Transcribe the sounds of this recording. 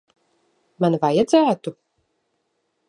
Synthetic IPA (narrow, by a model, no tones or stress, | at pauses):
manvajad̪zæːt̪u